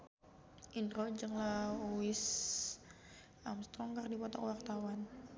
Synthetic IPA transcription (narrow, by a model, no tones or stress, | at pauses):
ʔindɾod͡ʒəŋlauɪs | ʔamst̪ɾɔŋɡardipɔt̪ɔ̰kwart̪awan